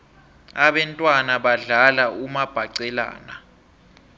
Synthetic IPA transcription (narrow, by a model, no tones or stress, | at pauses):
aɓɛntʼwanaɓaɮalaumab̥ʱaǀɛla̰ːna